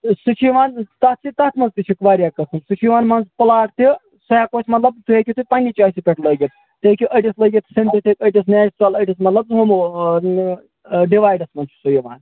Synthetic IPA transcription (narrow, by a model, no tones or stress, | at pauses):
sɨt͡ʃʰiʋaːnt̪ɐt̪sit̪ɐt̪ʰmɐnzt̪it͡ʃʰikʋaːɾʲjaːkɐsɨmsɨt͡ʃʰiʋaːnmɐnzpɐlaːʈt̪i | sɐjaːkosʲmɐt̪lɐb̚t̪ʰuekʲit̪upanʲit͡ʃaːsipʲeʈlɐɡʲit̪̚ | t̪ɨekʲiʔəʈʲislɐɡʲit̪sint̪it̪ʰikəʈʲis̬neːt͡ʃɾɐlɐʈʲismɐt̪lɐb̚zɦomu | ɖiʋaːjɖɐsmɐnzsujiʋa̰ːn